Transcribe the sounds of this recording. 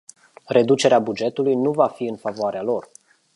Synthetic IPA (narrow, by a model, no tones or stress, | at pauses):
re̞d̪ut͡ʃe̞ɾeabud͡ʒe̞t̪ulujnuvafiɨnfavoaɾealo̞r